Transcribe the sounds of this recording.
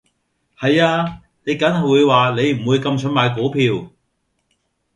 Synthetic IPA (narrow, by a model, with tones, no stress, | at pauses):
hɐ˨jaː˧ | ne˨˧jkɐ˨˥nhɐ˨wuː˨˧jwaː˨ne˨˧jm̩˨˩wuː˨˧jkɐ˧mt͡ʃʰɵ˨˥nmaː˨jk̬oː˨˥pʰiː˧w